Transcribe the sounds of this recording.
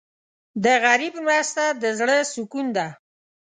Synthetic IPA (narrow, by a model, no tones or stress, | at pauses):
d̪əɣaɾibmɾast̪ad̪əzɽəsʊkund̪a